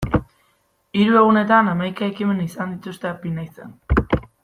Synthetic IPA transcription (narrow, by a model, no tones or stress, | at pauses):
iɾue̞ɣune̞t̪anamajkaekime̞nisand̪it̪ust̪e̞apinajt͡sen